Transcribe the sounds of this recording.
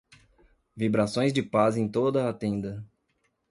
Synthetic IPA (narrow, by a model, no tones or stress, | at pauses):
vibɾasõj̃zd͡ʒɪpazẽj̃t̪od̪ɐːt̪ẽnd̪ɐ